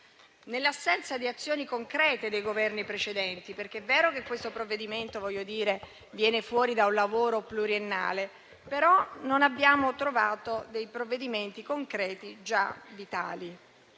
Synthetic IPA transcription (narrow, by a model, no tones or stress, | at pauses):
nelːasːɛnt̪sad̪iat̪sːjoːnikoŋkɾɛːt̪ed̪ejɡovɛrnipɾet͡ʃed̪ɛnt̪iperk̟eɛvːɛːɾokekːwest̪opɾovːed̪iment̪ovɔʎjːod̪iːɾe | vjɛːnefwɔːɾid̪aunlavoːɾopluɾienːa̰ːle | peɾɔnonabːjaːmot̪ɾovaːt̪od̪ejpɾovːed̪iment̪ikoŋkɾɛːt̪id͡ʒavit̪a̰ːli